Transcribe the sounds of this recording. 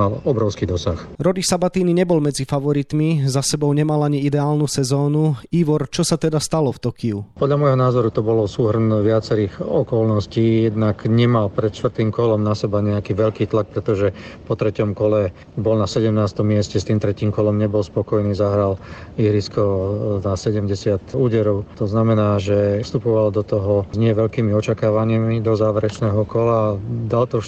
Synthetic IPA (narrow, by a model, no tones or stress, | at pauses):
alɔbɾɔʊskid̪ɔsaxɾɔd̪isabat̪iːniɲɛbɔlmɛd͡zifaʋɔɾit̪mizasɛbɔʊɲɛmalaɲiid̪ɛaːlnusɛzɔːnuiːʋɔɾt͡ʃɔsat̪ɛd̪ast̪alɔft̪ɔkiupɔd̪ʎamɔjɦɔnaːzɔɾut̪ɔbɔlɔsuːɦr̩nʋɪat͡sɛɾiːɣɔkɔlnɔsciːjɛd̪nakɲɛmalpɾɛt̪ʃt̪ʋr̩t̪iːmkɔlɔmnasɛbaɲɛakiːʋɛʎkiːt̪lak̚pɾɛt̪ɔʒɛpɔt̪ɾɛcɔmkɔlɛ | bɔlnasɛɟɛmnaːst̪ɔmːɪɛscɛst̪iːmt̪ɾɛciːmkɔlɔmɲɛbɔlspɔkɔjniːzaɦɾaliɦɾiskɔnasɛɟɛmɟɛsɪat̪uːɟɛɾɔʊt̪ɔznamɛnaːʒɛfst̪upɔʋald̪ɔt̪ɔɦɔzɲɪɛʋɛʎkiːmiɔt͡ʃakaːʋaɲimid̪ɔzaːʋɛɾɛt͡ʃnɛːɦɔkɔlad̪alt̪ɔ